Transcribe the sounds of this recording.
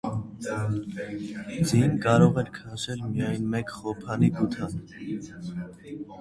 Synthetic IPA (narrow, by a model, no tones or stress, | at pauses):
d͡zinkɑɾɔʁɛɾkʰɑʃɛlmijɑjnmɛkχɔpʰɑnikut̪ʰɑn